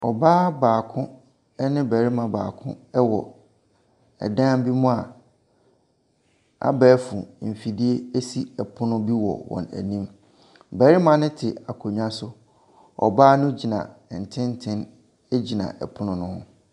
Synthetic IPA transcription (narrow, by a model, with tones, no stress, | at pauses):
ɔ˨baː˦baː˨kʰʊ̃˦ | nɪ̃˦bæ˨ɾi˦mã˨ba̰ː˨kʰʊ̰̃˦ɛ˦wɔ˨ | ɛ̰˨dã˦m˦bi˦mũ˦a˨ | a̰˦bæː˦fʊ̃˨m̩˨fi˨di˦e˦e˦si˦˨ɛ˨pʰʊ˦nʊ̃˦bi˦wɔ̰˨wɔ̰̃˨næ̰˨nĩ˦m | bæ˨ɾi˦mã˨nʊ̃˦tʰɪ˨a˨kʰo˨ɲᶣã˦sʊ˦ | ɔ̰˨baː˦nʊ̃˦d͡ʑi˨nã̰˨n̩˨tʰɪ̃˦n˦tʰɪ̃˦n | e˦d͡ʑi˨nã̰˨ʔɛ̰˨pʰʊ˦nʊ̃˦nʊ̃˦hʊ̰̃˦